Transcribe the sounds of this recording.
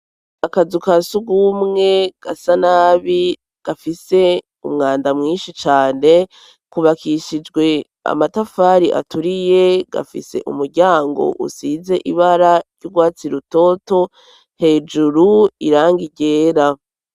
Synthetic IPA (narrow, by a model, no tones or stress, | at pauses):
akazukasuɡumŋe̞ɡ̥asanaːβi | ɡ̥afise̞ | umŋaːndamŋiːnʃit͡ʃaːne̞ | kuβakʰiʃid͡ʒɡwe̞ | a̰matafaːɾiʔa̰tuɾije̞ɡ̥a̰fḭse̞̰ʔṵmuɾɟaːŋɡo̞̰ʔṵsiːze̞ʔiβaɾaɾjuɡwaːt͡siɾuto̞ːto̞ | he̞ːd͡ʒuɾuiɾaːŋɡiɟeːɾa